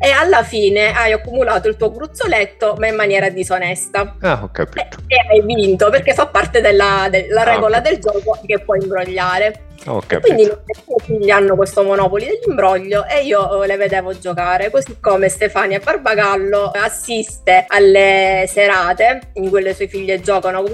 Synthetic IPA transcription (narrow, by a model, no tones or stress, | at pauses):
ealːafiːneajakːumulaːt̪oilt̪uːoɡɾut̪sːolɛt̪ːomaimːanjɛːɾad̪isonɛst̪aaka̰peajvint̪operkefːapːart̪ed̪elːad̪elaɾɛːɡolad̪eld͡ʒɔːkok̟epːwɔjimbɾoʎːaːɾe | kkːwind̪inoseefiʎːanːokwest̪omonɔːpolid̪elːimbɾɔʎːoʔeiːoleved̪ɛːvod͡ʒːokaːɾekozikːomest̪efaːnjabːarbaɡalːoasːist̪ealːeseɾaːt̪eiŋkuilesuɔefiʎːed͡ʒɔːkanok